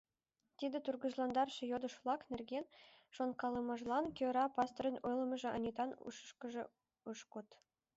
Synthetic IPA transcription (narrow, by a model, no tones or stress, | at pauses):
t̪ʲid̪ʲĕt̪urɡuʒlˠɑnd̪ɑrʃɤ̆jod̪ɤ̆ʃlˠɑknʲerɡʲenʲʃonkɑlˠɤmɑʒlˠɑnkʲøɾɑpɑst̪orʲɤ̆nʲujlˠɤ̆mɤ̆ʒĕʔɤ̰̆nʲit̪ɑnṵʃʃkɤ̆ʒɤ̰̆ | uʃkut̪